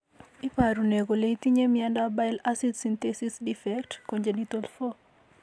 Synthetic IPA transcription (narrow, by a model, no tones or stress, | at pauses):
ipaɾuneɡoleitiɲemjandabaɪlasidsintesisdifɛktkoɲd͡ʒenitolfo